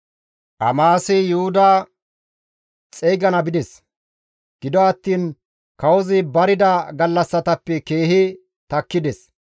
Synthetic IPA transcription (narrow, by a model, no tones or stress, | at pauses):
ʔɐmaːsɪjʊhʊd̪ɐ | t͡sʼɛjɡɐnɐbɪd̪ɛs | ɡ̥ɪd̪ɔɐt̪ːiːn | kɐwɔzɪbɐɾɪd̪ɐɡɐlːɐsːɐt̪ɐpːɛke̞ːhɪ | t̪ɐkːɪd̪ɛs